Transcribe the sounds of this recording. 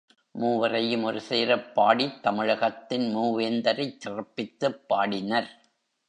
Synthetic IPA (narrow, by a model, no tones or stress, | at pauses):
muːʋɐrɐjɯmɔɾɯseːɾɐpːaːɽit̪ːɐmɪɻɐɣɐt̪ːɪnmuːʋend̪ɐɾɐɪt͡ʃːɪrɐpːɪt̪ːɯpːaːɽɪnɐɾ